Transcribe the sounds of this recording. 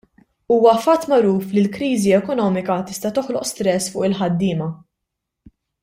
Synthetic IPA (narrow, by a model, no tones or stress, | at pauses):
uːwɐfɐt̪ːmɐɾuːflilkɾiːziɛkɔnɔːmɪkɐt̪ɪst̪ɐt̪ɔħlɔʔst̪ɾɛsːfʊːʔɪlħɐd̪ːɪːmɐ